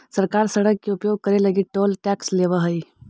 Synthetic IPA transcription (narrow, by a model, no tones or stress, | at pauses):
səɾkaːɾsəɽəkːeupjoɡ̚kəɾeləɡiʈoːlʈɛksleʋəɦəi